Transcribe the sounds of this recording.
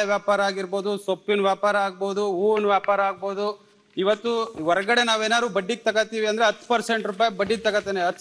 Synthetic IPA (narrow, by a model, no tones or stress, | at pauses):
ʋjaːpaːɾɐaːɡiɾbo̞ːd̪usopːinʋjaːpaːɾɐaːɡ̚bo̞ːd̪uuːnʋjaːpaːɾɐaːɡ̚boːd̪u | iʋɐt̪ːuʋɔɾɐɡɐɽe̞naːʋeːnaːɾuːbɐɖːik̚t̪ɐɡɐt̪ːiːʋiɐnd̪ɐɾeɐt̪ːpɐɾse̞ɳʈɾup̬aːjbɐɖːid̪̚t̪ɐɡɐt̪ːeːneɐt̪ː